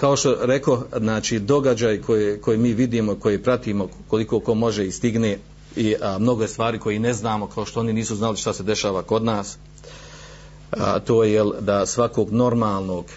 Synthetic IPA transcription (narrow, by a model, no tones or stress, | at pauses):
kao̞ʃt̪o̞ɾe̞ko̞znaːt͡ʃiːd̪o̞ɡad͡ʒaːjkʰojeko̞jemiːʋid̪iːmoiko̞jepɾat̪iːmo̞ | ko̞likoːko̞mo̞ʒeist̪iɡneː | imno̞ɡojest̪ʋaːɾiːko̞jine̞znaːmo̞kao̞ʃt̪ooniniːsuznaliʃt̪ase̞d̪e̞ʃaːʋako̞d̪naːs | t̪oːjejeld̪asʋakoːɡno̞ɾmaːlˠnoːɡ